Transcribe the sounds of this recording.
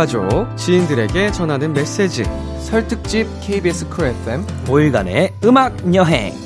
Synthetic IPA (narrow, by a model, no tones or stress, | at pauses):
ad͡ʑot͡ɕiindɯɾe̞ɡe̞t͡ɕʌnɦanɯnme̞s͈e̞d͡ʑḭ | sʰʌɭtʰɯk̚t͡ɕ͈ip̚kʰeibies͈ɯ̥kʰɯɾefʰemoiɡa̰neɯmak̚ɲʌɦḛ